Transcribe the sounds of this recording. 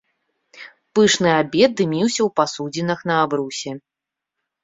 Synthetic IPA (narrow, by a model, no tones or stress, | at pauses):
pɨʂnɨabʲɛd̪̚d̪ɨmʲiwsʲɐwpasud͡zʲinɐxn̪ɐabɾusʲɛ